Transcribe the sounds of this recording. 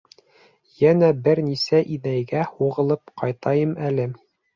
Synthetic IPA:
jænæbɘɾnisæʔinæjɡæhuʁɤ̆lˠɤpqɑjt̪ɑjɤmælɘ

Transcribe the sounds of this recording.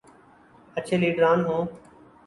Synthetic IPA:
ət͡ʃʰeːliːɖɾaːnɦõː

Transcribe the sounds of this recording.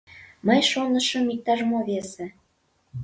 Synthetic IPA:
məjʃonə̆ʃə̆mik̚t̪ɑʒmoβese

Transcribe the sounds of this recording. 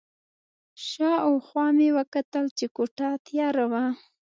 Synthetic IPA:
ʃɑawxwɑmewəkat̪əlt͡ʃekoʈat̪jɑɾawa

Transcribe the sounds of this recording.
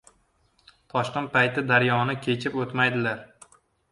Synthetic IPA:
t̪ʰɒʃqɪnt̪̚pajt̪ɪd̪aɾjɒnɪkʲʰet͡ʃʰɪpot̪majd̪ɪlaɾ

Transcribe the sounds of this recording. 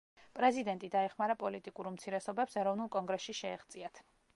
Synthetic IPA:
pʼɾɛzid̪ɛnt̪ʼid̪aɛχmaɾapʼɔlit̪ʼikʼuɾmt̪sʰiɾɛsɔbɛpsɛɾɔvnulˠkʼɔŋɡɾɛsʃiʃɛːχt̪sʼiat̪ʰ

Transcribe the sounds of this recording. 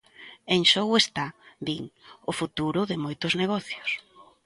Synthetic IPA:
eŋʃowest̪ad̪iŋʊfut̪uɾʊðɪmojt̪ʊzneɣ̞ɔθjʊs

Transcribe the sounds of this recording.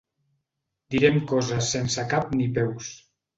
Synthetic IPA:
d̪iɾɛmkɔzasːensakap̚nipɛws

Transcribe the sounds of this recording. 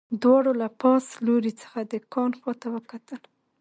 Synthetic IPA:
d̪wɑɽolapɑsloɾit͡sə̥xad̪əkɑnxwɑt̪awəkat̪əl

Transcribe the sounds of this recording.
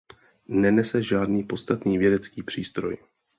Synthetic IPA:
nɛnɛsɛʒaːdniːpo̞st̪at̪niːvjɛdɛt͡skiːpr̝̥iːst̪ɾo̞̰j

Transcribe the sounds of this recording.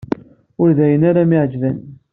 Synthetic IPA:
ʊɾðæjənaɾamiʕəd͡ʒvæn

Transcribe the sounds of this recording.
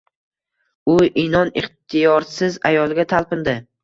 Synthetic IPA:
ʊʔɪnɒnɪχt̪ʰɪjɒɾsɪza̰jɒlˠɡʲat̪ʰalˠpɪnd̪ɪ

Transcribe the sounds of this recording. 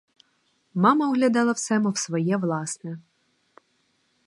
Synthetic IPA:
mɑmɐɔɦlʲɐd̪ɑlˠɐwsɛmʊwsʋɔjɛʋlˠɑsnɛ

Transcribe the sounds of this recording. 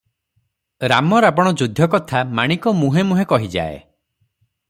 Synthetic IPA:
ɾamɔɾabɔɽ̃ɔd͡ʒud̪ʱjɔkɔt̪ʰamaɽ̃ikɔmuɦemuɦekɔɦid͡ʒa̰ḛ

